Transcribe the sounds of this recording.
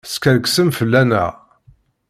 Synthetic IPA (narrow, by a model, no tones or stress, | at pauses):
skæɾksəmfəlːænæ̰